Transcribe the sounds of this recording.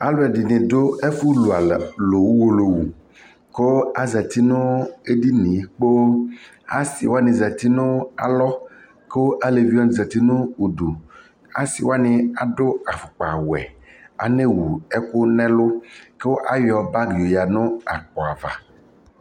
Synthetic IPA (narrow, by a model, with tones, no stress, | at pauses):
a˦lo˦ɛ˨di˨nɪ̃˨do˦e˦fu˦lu˨a˨lo˨wu˦wo˨lo˨wu˨ | ke˦a˨za˨t̪i˦nʊ̃˦e˦di˦nĩ˨˦k͡po˦ | a˦si˨wa˦nɪ̃˨za˨t̪i˦nʊ̃˦a̰˨lɔ˦ | ke˦wo˦ʔa˦le˨vi˦ɔ˦n˨za˨t̪i˦nʊ̃˦u˨ɖu˨ | a̰˦si˨wa˦nɪ̃˦a˨dʊ˦a˨fʊ˨k͡pa˨wɛ̰˨ | a̰˨ne˦wu˨ɛ˦kʊ˦nɛ̃˦lʊ˦ke˦wo˦ʔa˦jɔ˨ba˦ɡi˨o˨ja˨nʊ̃˦a˨k͡pɔ˨a˨va̰˨